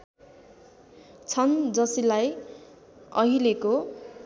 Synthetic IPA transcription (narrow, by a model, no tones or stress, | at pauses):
t͡sʰʌnd͡zʌsilaj | ʌɦileko